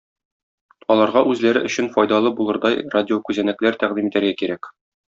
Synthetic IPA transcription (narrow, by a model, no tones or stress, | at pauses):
ɒlˠɑɾʁɑʔʉzlæɾɘʔɵ̆ɕɘnfɒjd̪ɑlˠɤbulˠɤ̆ɾd̪ɑjradʲɪokʉzænæklæɾt̪æʁd̪imit̪æɾɡækiɾæk